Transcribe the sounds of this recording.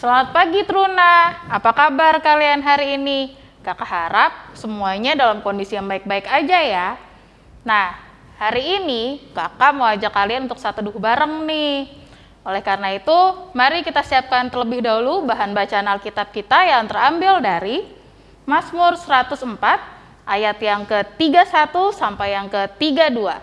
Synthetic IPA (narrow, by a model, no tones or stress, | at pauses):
səlamat̪̚paɡit̪əɾunaapakabarkalianɦaɾiːni | kakaɦaɾap̚səmuaɲadalamkondisijaŋbaɪk̚baɪkad͡ʒaja | nah | haɾiːnikakamawad͡ʒakːalianunt̪ʊksat̪udʊhbaɾəŋnɪh | olɛhkarnait̪umaɾikit̪asiap̚kant̪ərləbɪhdaulubaɦanbat͡ʃaːnalkit̪ap̚kit̪ajaŋt̪ərambɪldaɾi | masmʊrsəɾat̪ʊsəmpat̪̚ | ʔajat̪jaŋkət̪iɡasat̪usampajjaŋkət̪iɡadua